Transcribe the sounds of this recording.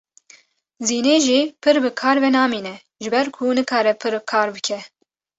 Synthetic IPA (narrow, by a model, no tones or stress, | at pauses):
ziːneːʒiːpʰɨɾbɨkʰɑːɾvɛnɑːmiːnɛ | ʒɨbɛɾkʰunɨkʰɑːɾɛpʰɨɾkʰɑːɾbɨkʰɛ